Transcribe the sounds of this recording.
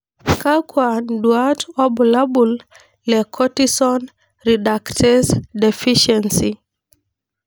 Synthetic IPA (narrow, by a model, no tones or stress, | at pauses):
kakwandwatɔbulabul | lɛkʰɔtisɔn | ɾidaktʰɛsdɛfiʃɛnsi